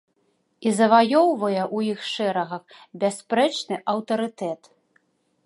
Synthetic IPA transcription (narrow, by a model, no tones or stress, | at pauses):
izɐvajɔwvɐjɛʔujixʂɛɾɐɣɐxbʲaspɾɛt͡ʂnɨʔɐwt̪ɐɾɨt̪ɛt̪